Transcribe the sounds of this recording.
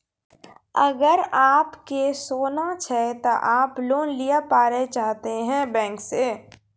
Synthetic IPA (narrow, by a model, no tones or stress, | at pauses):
əɡəɾaːpkesoːnat͡ʃʰɛt̪oʔaːploːnlijapaːɾet͡ʃaːɦt̪eɦɛ̃bɛ̃ːŋkseː